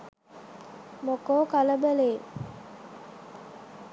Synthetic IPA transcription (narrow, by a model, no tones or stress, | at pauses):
mokoːkaləbæleː